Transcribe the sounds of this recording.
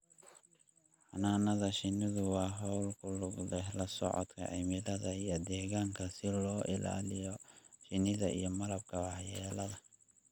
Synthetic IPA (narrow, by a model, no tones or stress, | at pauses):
ħɑnaːnɐðɐʃɪnɪðʊwɑːɦɔwlkʰʊlʊɡd̪ɛɦlɐsɔ̰ʕɔ̰d̪kʰɐ̰ʕɪ̰mɪlɐðɐijɞd̪ɛːɣaːŋkʰɐsɪlɔːʔɪla̰ːlɪjɔʃɪnɪðɐḭjɞmɐlɐb̚kʰɐwɑħjɛːlɐðɐ